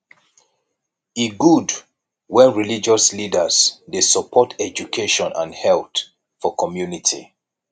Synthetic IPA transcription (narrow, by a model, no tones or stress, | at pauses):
iɡud | wɛ̃nɹilid͡ʒɔslidəzdesəpʰɔtʰɛd͡ʒukʰeʃɔ̃nã̰nhɛlt | fɔkʰɔmjunitʰḭ